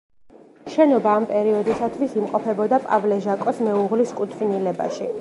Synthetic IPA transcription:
ʃɛnɔbaːmpʼɛɾiɔd̪isat̪ʰwisimqʼɔpʰɛbɔd̪apʼa̰vlɛʒakʼɔsmɛuʁliskʼut̪ʰvinilɛba̰ʃi

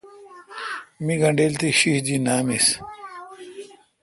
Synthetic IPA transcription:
miɡɐɳɖeːlt̪iɕihd͡ʑinaːmis

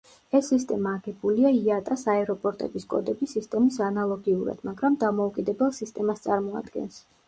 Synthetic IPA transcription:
ɛsːist̪ʼɛmaːɡɛbuliaiat̪ʼasaɛɾɔpʼɔɾt̪ʼɛ̰biskʼɔ̰d̪ɛbisist̪ʼɛmisanalˠɔɡiuɾa̰d̪̥maɡɾamd̪amɔukʼid̪ɛbɛlˠsist̪ʼɛmast̪sʼaɾmɔa̰d̪ɡɛ̰ns

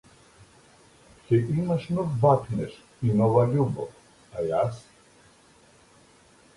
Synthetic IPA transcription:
kɛimaʃnɔvbakʰnɛʃ | inɔvaʎʲubɔ̰f | ajas

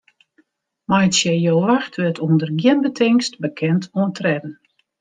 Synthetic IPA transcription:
majətsjɛjowʋaxtʰʋɪtʰuəndərɡjɪnbətʰɪŋstbəkʰɛntʰuəntrɛdn̩

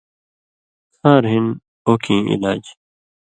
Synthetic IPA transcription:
sʰaːɾɦin | oːkʰĩːʔḭlaːd͡ʑ

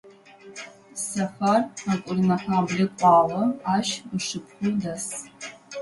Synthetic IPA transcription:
sɐχarakʷʼʊrnɐħabɮɪkʷʼɑːlɐaːʃəʂɨpʰχʷʊdas

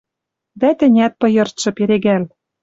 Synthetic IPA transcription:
d̪æt̪ɘ̆nʲæt̪̚pɤ̆jɤ̆rt̪ʃɤ̆peɾeɣæl

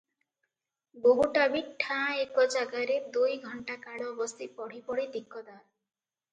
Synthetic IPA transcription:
boɦuʈabiʈʰãekɔd͡ʒaɡaɾed̪ujɡʱɔɳʈakaɽɔbɔst̪ʰipɔɽ̤ipɔɽid̪ikːɔd̪a

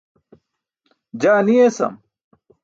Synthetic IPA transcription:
d͡ʑaːniesɐ̰m

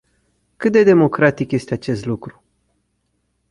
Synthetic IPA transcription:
kɨt̪̚d̪e̞d̪e̞mo̞kɾat̪ikje̞st̪eat͡ʃe̞st̪lukɾu̥

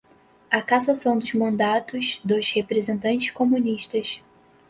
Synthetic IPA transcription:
ɐkasasɐ̃w̃d̪ʊzmɐ̃nd̪at̪ʊzd̪ʊzhepɾezẽnt̪ɐ̃nt͡ʃɪʃkomũniʃt̪ɐs

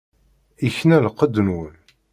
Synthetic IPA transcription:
içnælqːəd̪ːnwən

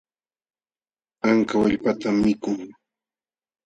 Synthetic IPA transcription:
aŋkawaʎpat̪amːɪkʊŋ

